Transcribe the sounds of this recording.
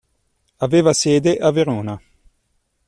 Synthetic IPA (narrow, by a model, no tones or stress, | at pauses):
aveːvasjɛːd̪eʔaveɾoːna